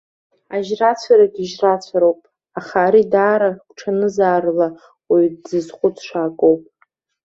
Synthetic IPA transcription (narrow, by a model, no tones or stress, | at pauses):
aʒrat͡sʷʰaɾakʲʼiʒrat͡ɕʷʰaɾowpʼ | aχaːɾidaːɾaɡʷʼʈ͡ʂʰanɨzaːrla | wijdzɨzχʷʼʊt͡sʰʼʂaːkʼowpʼ